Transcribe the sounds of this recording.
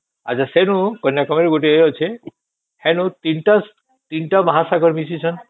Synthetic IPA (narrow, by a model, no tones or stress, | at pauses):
a̰t͡ɕʰasenukɔnjakɔmeɾɡoʈ̬iɦojɦot͡ɕʰe | hɛnut̪inʈas | t̪inʈamaɦasaɡʱɔɾmis̬it͡ɕʰɔn